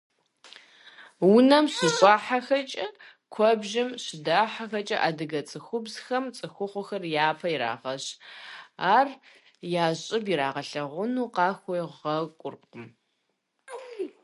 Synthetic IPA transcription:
wʊnɐmɕɪɕʼaːħaxɐt͡ʃʼɐ | kʷʰɔbʒɪmɕɪdaːħaxɐt͡ʃʼɐʔaːdɨɣɐt͡sʼɨxʷʊbz̥xɐmt͡sʼɨxʷʊχʷʊxɐrjaːpʰɐjiɾa̰ːʁɐɕ | aːr | jaːɕʼɪbiɾaːʁɐɬɐʁʷʊnuːqɑːxʷɔjʁɐkʷʼʊrqʷʼʊm

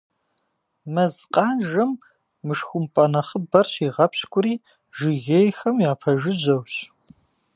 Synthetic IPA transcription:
mɐzqʼɑːnʒɐmː | ɨʂxʷʊmpʼɐnɐχəbɐrɕiːʁɐpɕkʷʼʊɾiː | ʒɪɣejxɐmjaːpʰɐʒɨʑɐwɕ

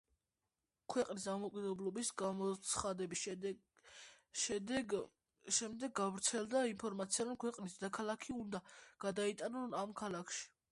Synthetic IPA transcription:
kʰwɛqʼnisd̪amɔkʼid̪ɛblˠɔbisɡamɔt̪sʰχad̪ɛbi | ʃɛd̪ɛɡ | ʃɛmd̪ɛɡːavɾt̪sʰɛlˠd̪ainpʰɔɾmat̪sʰiaɾɔmkʰwɛqʼnisd̪d̪akʰalakʰiund̪aɡ̥ad̪ait̪ʼanɔnamkʰalˠakʰʃi̥

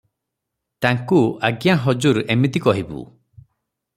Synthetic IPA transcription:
t̪aŋkuaɡjaɦɔd͡ʒuɾemit̪ikɔɦibṵ

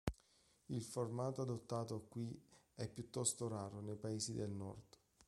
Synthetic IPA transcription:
ilformaːt̪oad̪ot̪ːaːt̪okːwiɛpːjut̪ːɔst̪oɾaːɾonejpaeːsid̪elnɔ̰rd̪̥

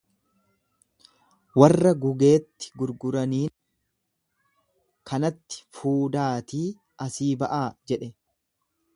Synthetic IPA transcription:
wɐrːɐɡʊɡe̞ːt̪ːɪ̥ɡʊɾɡʊɾɐniːn | kʰɐnɐt̪ːɪ̥fuːd̪aːt̪iː | ɐsiːbɐʔaːd͡ʒɛᶑɛ

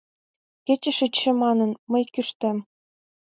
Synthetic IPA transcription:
kʲet͡ɕɘ̆ʃɘt͡ɕʃɘ̆mɑnɤ̆nmɤ̆jkʲyʃt̪ɘ̆m

